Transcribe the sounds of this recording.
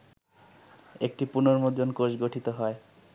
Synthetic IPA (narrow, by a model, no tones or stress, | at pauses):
ek̚ʈipunoɾmod̪onkod͡ʑɡoʈʰit̪oɦɔe